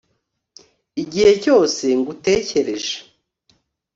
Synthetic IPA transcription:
iɟihe̞co̞ːse̞ŋɡute̞ːce̞ɾe̞ʒe̥

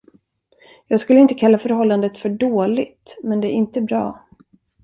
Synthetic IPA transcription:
jɑːɡskɵlːəɪnt̪əkʰalːafœɾhɔlːand̪ət̪fœɖoːlɪt̪mɛnd̪ɛæɾɪnt̪əbɾɑ̰ː

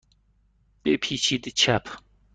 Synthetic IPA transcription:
b̥epʰiːt͡ɕʰid̪it͡ɕʰapʰ

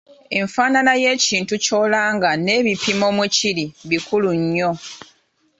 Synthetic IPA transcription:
e̞̰ɱfaːnanaje̞ːciːntuco̞ːlaːŋɡane̞ːβipimo̞ːmuciɾiβikuluɲːo̞

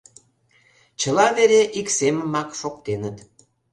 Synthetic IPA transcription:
t͡ɕəlɑβeɾeʔikseməmɑkʃokt̪enət̪

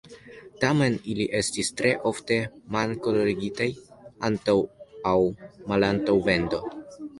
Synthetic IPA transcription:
tame̞niliʔe̞stistɾe̞ʔo̞fte̞malko̞loɾiɡitajantawawmalantawve̞ndo̞

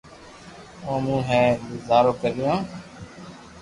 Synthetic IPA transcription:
õːmũːɦɛ̃ːɡʊzaːɾoːkəɾɪjãː

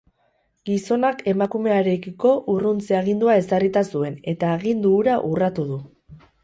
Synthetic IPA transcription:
ɡiso̞nakʰe̞makume̞aɾe̞kiko̞ʔurunt͡seaɣ̞ind̪uae̞sarit̪asue̞ne̞t̪aːɣ̞ind̪uːɾaʔurat̪uðu

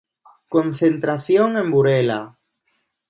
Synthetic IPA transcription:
kõnθent̪ɾaθjoŋẽmbuɾela

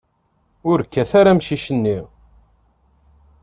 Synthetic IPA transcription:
ʊɾkːæθaɾamʃiʃənːi

